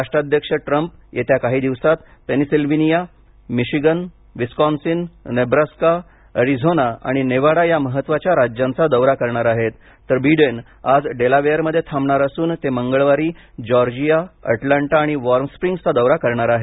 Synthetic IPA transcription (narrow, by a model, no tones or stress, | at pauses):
aʂʈɾad̪ʱjəkʂəʈɾəmp | jet̪jakaɦiːd̪iʋsat̪penisilʋinija | miɕiɡən | ʋiskɔnsinnebɾaska | əɾid͡zʱonaa̰ɽ̃ineʋaɽajaməɦət̪ːʋat͡ɕjaɾad͡ʑjãnt͡sad̪əwɾakəɾɳaɾaɦet̪ː | əɾbiɖən | ad͡zɖelaʋejəɾməd̪ʱjet̪ʰamɳaɾəsuːnt̪eməŋɡəɭʋaɾiː | d͡ʑɔɾd͡ʑijaə̰ʈlaɳʈaːɽ̃iʋɔɾmspɾiŋɡt͡sad̪əwɾakəɾɳaɾaɦe